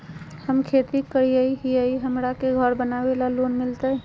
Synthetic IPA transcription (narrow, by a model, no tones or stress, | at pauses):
həmkʰet̪ikːəɾiəiɦiəiɦəmɾakeɡʱəɾbənabelalonmilt̪ə